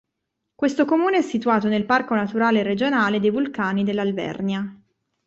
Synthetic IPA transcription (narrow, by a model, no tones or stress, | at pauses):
kwest̪okomuːneɛsːit̪uaːt̪onelparkonat̪uɾaːlerːed͡ʒonaːled̪ejvulkaːnid̪elːalvɛ̰rnja